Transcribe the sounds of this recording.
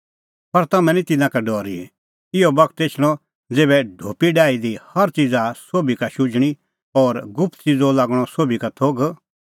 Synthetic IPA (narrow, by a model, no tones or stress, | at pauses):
pɐɾt̪ɐmɛ̃nit̪ɪnãkaɖɔːɾḭɛ̰ | ɪɔbɐkʰt̪eːt͡ʃʰl̃ɔ | d͡zeːbɛɖʱoːpiɖaːid̪ihɐɾt͡ʃid͡zasoːbikaʃʊd͡ʒɽ̃i | ɔːɾɡʊpʰt̪t͡sid͡zɔlaːɡɽ̃ɔsoːbikat̪ʰoːɡ